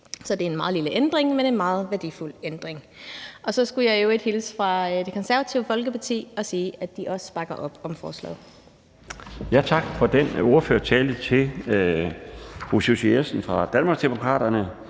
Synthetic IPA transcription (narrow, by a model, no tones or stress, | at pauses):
sɒ̽d̥e̝æɐe̝nmɑ̈ːð̩ˠliləʔend̥ʁeŋmene̝nmɑ̈ːð̞̩ˠʋæɐd̥iful̰end̥ʁeŋ | ʔɒ̽sɒ̽sɡ̥ujɑ̈ɪoe̝d̥hilsfʁɑ̈d̥e̝kʰɒ̽nsæɐʋæt͡sʰiʊfɒ̽lɡ̥əpʰɑ̈t͡sʰḭːɒ̽siːæd̥iʔɒ̽sə̥b̥ɑ̈ɡ̥ɐʔɒ̽b̥ɒ̽mfɒːslɛ̰ːð̩ˠ | jæt͡sʰɑ̈ɡ̥fɒ̽d̥eno̝ɐføːɐt͡sʰɛːld̥ət͡sʰe̝l | ʁususyesn̩fʁɑ̈d̥ænmɑ̈ːɡ̥sd̥emo̝kʰʁɑ̰̈ːɾ̥ɐnə